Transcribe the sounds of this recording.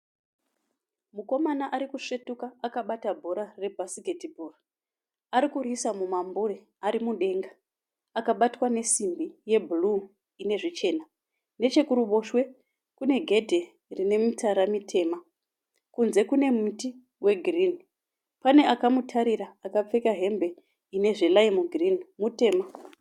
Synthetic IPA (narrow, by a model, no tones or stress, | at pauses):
muko̞manaʔaɾikuʂetukaakaɓatabʱo̞ɾare̞bʱasiketibʱora | aɾikurisamumambuɾe | aɾimuɗe̞ːŋɡa | akaɓatwane̞simbije̞bʱulu | ine̞ʐit͡ʃe̞ːna | ne̞t͡ʃe̞kuɾuɓo̞ʃwe̞ | kune̞ɡʱe̞dʱe | rine̞mitaɾamitʰe̞ːma | kunze̞kune̞muti | we̞ɡʱirini | pane̞ʔakamutʰaɾiɾaːkap͡fe̞kaɦe̞mbe̞ | ine̞ʐelaimuɡʱirinimute̞ːma